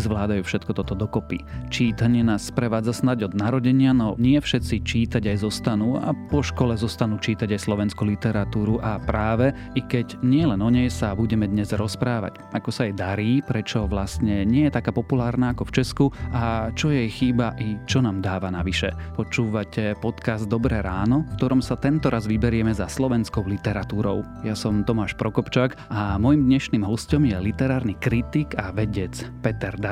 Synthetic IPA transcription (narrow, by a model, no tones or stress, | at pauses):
zʋlaːd̪ajuːfʃɛt̪̚kɔt̪ɔt̪ɔd̪ɔkɔpit͡ʃiːt̪aɲɪɛnaːsːpɾɛʋaːd͡zasnaɟɔd̪naɾɔɟɛɲɪanɔɲɪɛfʃɛt̪t͡sit͡ʃiːt̪aɟajzɔst̪anuːa̰pɔʃkɔlɛzɔst̪anuːt͡ʃiːt̪aɟajslɔʋɛnskulit̪ɛɾat̪uːɾuʔapɾaːʋɛ | ikɛɟɲɪɛlɛnɔɲɛjsabuɟɛmɛd̪ɲɛzɾɔspɾaːʋa̰c | akɔsaɛjd̪aɾiːpɾɛt͡ʃɔʋlast̪ɲɛɲɪɛjɛt̪akaːpɔpulaːɾnaakɔft͡ʃɛskuʔat͡ʃɔjɛjxiːbaʔit͡ʃɔnaːmd̪aːʋanaʋiʃɛ̰pɔt͡ʃuːʋacʰɛpɔt̪kazd̪ːɔbɾɛɾaːnɔfkt̪ɔɾɔmsat̪ɛnt̪ɔɾʔazʋibɛɾɪɛmɛzaslɔʋɛnskɔʊlit̪ɛɾat̪uːɾɔʊ | jasɔmt̪ɔmaːʃpɾɔkɔpt͡ʃaːk | amɔjimd̪ɲɛʃniːmɦɔscɔmjɛlit̪ɛɾaːɾnikɾit̪iɡaʋɛɟɛt͡spɛt̪ɛɾd̪a